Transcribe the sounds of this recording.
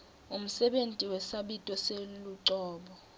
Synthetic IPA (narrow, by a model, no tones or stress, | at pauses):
um̩sɛɓentʼiwɛsaɓitʼɔseluǀɔːɓɔ